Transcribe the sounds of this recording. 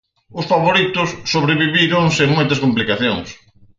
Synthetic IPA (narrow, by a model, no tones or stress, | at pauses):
ʊsfaβoɾit̪ʊsːoβɾeβiβiɾʊŋseŋmojt̪ɐskomplikaθjo̰ŋs